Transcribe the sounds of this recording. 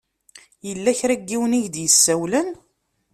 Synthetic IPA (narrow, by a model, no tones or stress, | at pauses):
jəlːæçɾæɡːiwniʝd̪jəsːæwlən